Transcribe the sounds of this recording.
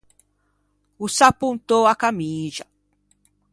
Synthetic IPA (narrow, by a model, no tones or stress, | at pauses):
usapũnt̪owakamiʒɐ